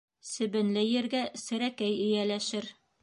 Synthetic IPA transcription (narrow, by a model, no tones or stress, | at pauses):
sɘ̆bɘ̆nlɘjɘ̆ɾɡæsɘ̆ɾækæjɘ̆jælæʃɘɾ